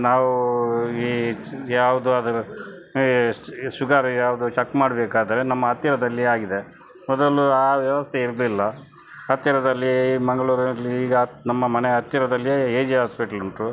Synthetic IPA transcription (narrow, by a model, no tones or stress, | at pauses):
naːʋuiːjaːʋud̪uɐd̪ɐɾu | ʃuɡaːɾɐjaːʋud̪ut͡ʃɐkːmaːɽɐbeːkaːd̪ɐɾe̞nɐmːɐːt̪jɐɾɐd̪ɐlːiaːɡid̪e̞ | mɔd̪ɐluaːʋjɐʋɐst̪ʰeiɾlilːɐ | ɐt̪jɐɾɐd̪ɐlːimɐŋɡɐɭuːɾɐlːiiːɡɐnɐmːɐmɐneɐt̪jɐɾɐd̪ɐlːijeːd͡ʒiɦaːspiʈɐlunʈu